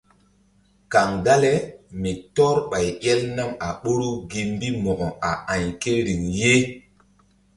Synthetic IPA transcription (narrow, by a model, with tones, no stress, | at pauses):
ka˨ŋɡa˦le˦mi˨tɔ˦ɾɓa˨jɛ˦lna˦ma˨ɓo˦ɾu˦ɡi˨m˦bi˦mɔ˨ɡɔ˨a˨ʔa˨ɲke˦ɾi˨ŋje˦